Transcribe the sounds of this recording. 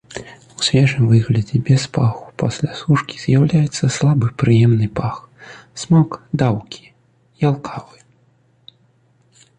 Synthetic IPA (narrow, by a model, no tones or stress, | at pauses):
usʲvʲɛʐɨmvɨɣlʲɐd͡zʲɛbʲɛspaxu̥pasʲlʲasuʂkʲi̥z̥ʲjawlʲajɛt̪sːɐslˠabɨpɾɨjɛmnɨpax | smakd̪awkʲi̥ | jalˠkʰavɨ